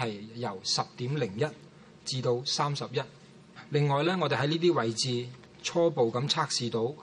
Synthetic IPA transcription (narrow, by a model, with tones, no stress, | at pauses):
ɐ˨jːɐ˨˩wsɐ˨p̚t̪iː˨˥mlɪ˨˩ŋjɐ˥t̚ | t͡siː˧t̪o˧wsaː˥msɐ˨p̚jɐ˥t̚ | lɪ˨ŋːɔː˨jlɛː˥ŋɔː˨˧t̪e˨ɦɐ˨˥jniː˥t̪iː˥wɐ˨˩jt͡siː˨ | t͡sʰɔː˥po˨wkɐ˨˧˥mt͡sʰaː˥k̚siː˨t̪o˨˥w